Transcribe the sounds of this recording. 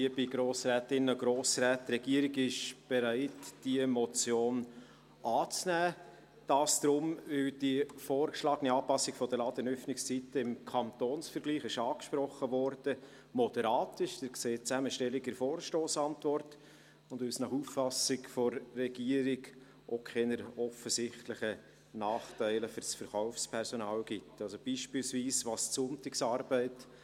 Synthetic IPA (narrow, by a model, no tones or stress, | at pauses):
iəbiɡ̥ɾoːsɾɛːtɪnːəɡɾoːsɾæːtːɾɛɡ̥iəɾɪɡɪʃb̥ɛɾæɪtd̥iəmɔt͡sjoːn | ʔɑːt͡snæː | d̥ɑːsd̪̥ɾʊmvɪld̥ifoːrkʃlɑːɡəniɑːpɑsɪɡ̥fɔd̥əlɑːd̥̪ənœfnɪkst͡sit̪əɪmkʰɑnt̪oːnsfəɾɡ̥liːχɪʃɑːkʃpɾɔχːəvɔɾd̥ə | mɔd̥ɛɾɑːtɪʃdɪkseːtt͡sæməʃtɛlɪɡəɾfoːɾʃtoːsɑntvɔrt | ʊndvɪlsnɑχuːfːɑsɪkfɔrːɛɡ̥iəɾɪɡ | ʔokʰɛnəɾɔfəsɪχtlɪχə | nɑːχtæɪləfʏɾsfəɾχɔʊfspʰɛɾsɔnɑːlɡ̥ɪtːɑlsob̥iːʃpɪlsviːsʋɑːssʊntɪksɑɾbæɪt